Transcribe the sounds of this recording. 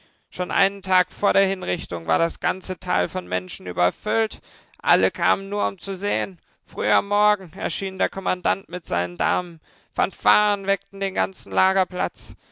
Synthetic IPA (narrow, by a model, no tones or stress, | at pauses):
ʃoːnʔa̰ɪnəntʰaːkfoːɐɾeːɐhɪnʁɪçtʊŋva̰ːɐɾasɡ̥ant͡sətʰa̰ːlfɔnmɛ̰nʃn̩ʔy̰ːbɐfʏlt | ʔa̰ləkʰa̰ːmənːuːɐʊmt͡suzeːən | fʁ̥yːamːɔɐɡŋ̩ɛ̰ɐʃiːndeːɐkʰɔmandantmɪtz̥a̰ɪnənda̰ːmən | fɔ̰nfaːənvɛk̚tn̩deːnɡant͡sn̩laːɡɐpl̥a̰t͡s